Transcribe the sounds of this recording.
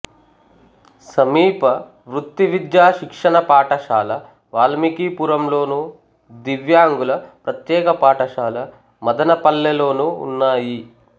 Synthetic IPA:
sɐmiːpɐ | ʋɾut̪ːiʋid̪jaːʃikʂɐɳɐpaːʈɐʃaːlɐ | ʋaːlɐmikiːpuɾɐmlo̞ːnuː | d̪iʋjaːŋɡulɐpɾɐt̪jɛːkɐpaːʈɐʃaːlɐ | mɐd̪ɐnɐpɐlːɛloːnuːṵnːaːji

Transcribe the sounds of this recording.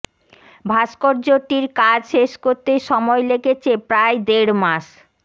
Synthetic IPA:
bʱaʃkoɾd͡ʑoʈːiɾkad͡ʑʃeʃkoɾt̪eʃɔmɔjleket͡ɕʰepɾajd̪eɽmaʃ

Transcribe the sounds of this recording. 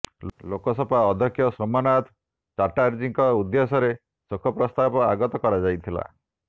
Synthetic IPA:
lokɔsɔpaɔd̪ʱjɔkʰːjɔsomanat̪ʰ | t͡ʃaʈaɾd͡ʒiŋkɔud̪ːesɔɾe | sokʰɔpɾɔst̪apɔaɡɔt̪ɔkɔɾad͡ʒajt̪ʰila̰

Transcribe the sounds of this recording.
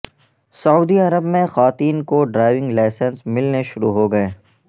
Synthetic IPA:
sɐuːd̪iɐɾəbmẽxaːt̪iːnkoɖɾaːɪʋɪ̃ŋɡlaːsənsmɪlneʃʊɾuɦoɡɐeː

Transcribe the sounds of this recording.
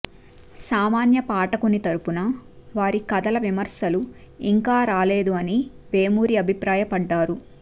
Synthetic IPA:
saːmaːnjɐpaːʈɐkunit̪ɐɾupunɐʋaːɾikɐd̪ɐlɐʋimɐɾsɐlu | iŋkaːɾaːle̞ːd̪uɐni | ʋeːmuːɾiɐbʱipɾaːjɐpɐɖːaːɾu

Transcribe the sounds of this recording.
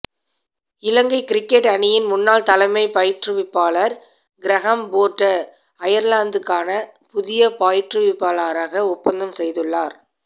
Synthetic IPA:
ɪlɐŋɡɐɪkɪɾɪkːɛʈːɐnɪjɪnmʊnːaːlt̪ɐlɐɪmɐɪpɐjɪʈrɯʋɪpːaːlɐɾ | ɡɪɾɐɣɐmboːɾʈːɐ | ɐjɐɾlaːnd̪ɯkːaːnɐpʊðɪjɐpaːjɪʈrɯʋɪpːaːlaːɾaːɣɐʊpːɐnd̪ɐmsɛjðɯɭːaːɾ

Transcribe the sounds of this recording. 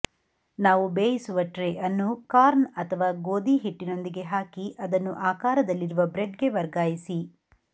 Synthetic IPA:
naːʋubeːjisuʋɐʈɾeʔɐnːukaːɾnɐt̪ʰɐʋaːɡoːd̪iɦiʈːino̞nd̪iɡe̞ɦaːkiʔɐd̪ɐnːuʔaːkaːɾɐd̪ɐlːiɾuʋɐbɾeɖɡe̞ʋɐɾɡaːjisi

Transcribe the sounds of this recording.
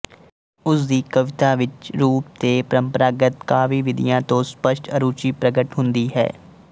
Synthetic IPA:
ʊsd̪iːkəʋɪt̪aːʋɪt͡ʃɾuːp̚t̪eːpəɾəmpəɾaːɡət̪kaːʋiːʋɪd̪ḭjãːt̪õːspəʃʈəɾuːt͡ʃiːpɾəɡəʈɦʊ̃nd̪iːɦɛ̰ː

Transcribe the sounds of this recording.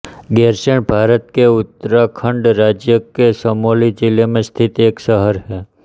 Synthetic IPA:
ɡeɾseɳbʱaɾət̪̚keʊt̪ːɾakʰəɳɖɾad͡ʒjəkesəmolid͡ʒilemẽst̪ʰit̪eksəɦəɾɦe

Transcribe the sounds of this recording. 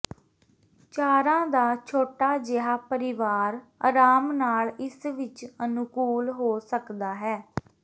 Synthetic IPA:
t͡ʃaːɾãːd̪aːt͡ʃʰoːʈaːd͡ʒɪɦaːpəɾɪʋaːɾəɾaːmnaːlɪsʋɪt͡ʃənʊkuːlɦoːsəkd̪aːɦɛː

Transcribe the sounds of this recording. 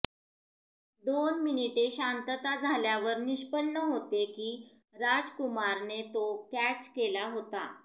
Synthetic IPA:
d̪onminiʈeɕant̪ət̪ad͡zʱaljaʋəɾniɕpəɳnəɦot̪ekiː | ɾad͡zkumaɾnet̪okæt͡ɕkelaɦot̪a

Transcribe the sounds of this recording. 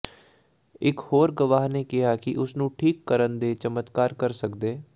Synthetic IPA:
ɪkhoːɾɡəʋaːɦneːkɪɦaːkɪʔʊsnũːʈʰiːkːəɾənd̪eːt͡ʃəmət̪kaːɾkəɾsəkd̪eː

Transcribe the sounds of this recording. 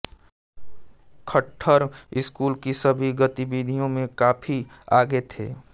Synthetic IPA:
kʰəʈʰːəɾɪskuːlkisəbʱiɡət̪ibid̪ʱijõmẽkaːpʰi | aːɡet̪ʰḛː

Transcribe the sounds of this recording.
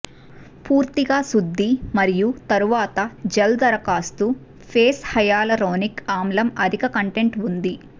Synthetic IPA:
puːɾt̪iɡaːsud̪ʱːimɐɾijut̪ɐɾuʋaːt̪ɐd͡ʒeld̪ɐɾɐkaːst̪u | pʰeːshɐjaːlɐɾoːnikaːmlɐmɐd̪ʱikɐkɐɳʈe̞ɳʈund̪i

